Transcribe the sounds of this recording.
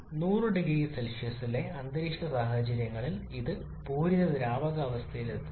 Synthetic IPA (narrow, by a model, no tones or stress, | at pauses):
nuːrɨɖiɡiselʂisile̞ɐnd̪ɐɾiʂʈɐsaːɦɐd͡ʑɐɾjɐŋːɐɭiliðɨ | puːɾiðɐd̪iɾaːʋɐɣɐːʋɐst̪ʰɐjilet̪ːɨ